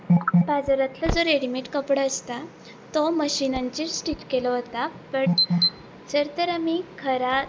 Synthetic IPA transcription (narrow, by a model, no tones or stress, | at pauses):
bad͡zəɾat̪lad͡zoɾeɽimeʈkəpɽəːst̪a | t̪oməɕinaɲt͡ɕiːɾsʈiʈkelɔɦot̪apəɳ | d͡zəɾt̪əɾamikʰəɾa